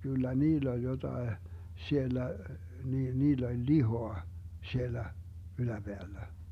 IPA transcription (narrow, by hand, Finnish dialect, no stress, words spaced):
kylːæ niːlː olʲ jotɑe sielːæ niːlː olʲ lihoɑ sielːæ ylæb̥eælːæ